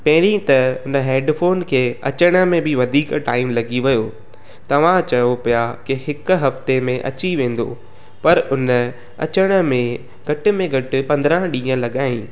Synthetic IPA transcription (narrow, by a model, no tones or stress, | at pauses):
pɐɦɪɾĩt̪ɐʊnəɦeːɖfoːnkʰeːɐ̰t͡ɕəɽ̃ə̆mẽbɪʋɐd̪ʱiːkʈaːɪmlɐɡiʋɪjo | t̪ɐʋ̤ãt͡ɕɐjopijakɪhɪkɦɐft̪emẽʔɐ̰t͡ɕiʋẽːn̆d̪o̰ | pɐɾʊn | ɐ̰t͡ɕəɽ̃ə̆mẽ | ɡʱɐʈɪ̆mẽɡʱɐʈɪ̆pɐ̃nd̪ɾə̃ɦɗĩːə̃lɐɠaːĩː